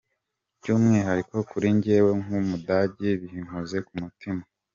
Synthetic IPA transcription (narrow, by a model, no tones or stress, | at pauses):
bɟumŋeɦaɾiko̞kuɾiɲɟeweŋumudaɟiβihiŋuze̞kumutima